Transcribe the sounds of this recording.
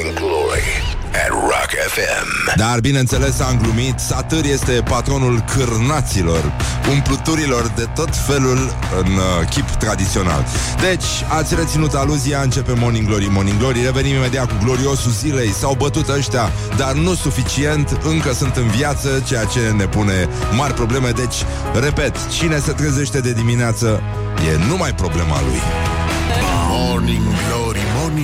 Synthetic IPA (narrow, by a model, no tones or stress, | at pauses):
ŋɡloɾḭ | ɛ̰ːa̰kefɛ̰md̪arbinent̪se̞le̞saɨŋɡlumit̪sat̪ɨrje̞st̪e̞pat̪ɾo̞nulkʰɨrnat̪silo̞r | umplɨt̪uɾilo̞rd̪e̞t̪o̞t̪fe̞lul | ɨnkʲipt̪ɾad̪it̪sio̞na̰l | d̪e̞t͡ʃʲ | at̪sʲre̞t̪sinut̪aluziaɨnt͡ʃe̞pe̞mo̞niŋɡlo̞ɾimo̞niŋɡlo̞ɾiɾevenimime̞d̪eakuɡlo̞ɾio̞suzile̞jsawbət̪ut̪əʃt̪ea | d̪arnusufit͡ʃie̞nt̪ɨŋkəsunt̪ɨnviat̪sət͡ʃe̞jat͡ʃe̞ne̞pune̞marʲpɾo̞ble̞me̞d̪e̞t͡ʃʲ | re̞pe̞t̪t͡ʃine̞se̞t̪ɾeze̞ʃt̪e̞d̪e̞d̪imineat̪sə | je̞̰numajpɾo̞ble̞ma̰lṵj | moniŋɡloɾimon